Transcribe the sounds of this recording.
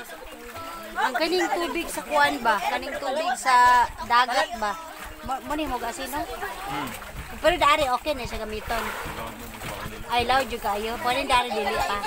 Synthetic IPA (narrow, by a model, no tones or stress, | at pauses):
ʔaŋkanɪŋt̪uːbɪɡsɐkʊʔanbakanɪŋt̪uːbɪɡ̚sad̪aːɡat̪̚ba | mmʊnɪmoɡasiːno | pɛɾod̪aʔaɾɪʔoːkɛnaʃaɡɐmiːt̪on | ʔajlawd͡ʒʊd̚kaʔajopakanɪnd̪aʔaːɾɪd͡ʒʊlɪʔpa